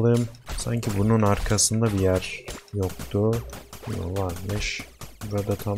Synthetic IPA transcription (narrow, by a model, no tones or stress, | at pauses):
lˠɯmsa̰ɲcʰibununaɾkʰasɯnd̪abijæɾjok̚t̪ʰʊno̰vaɾmɯʃbuɾad̪at̪ʰa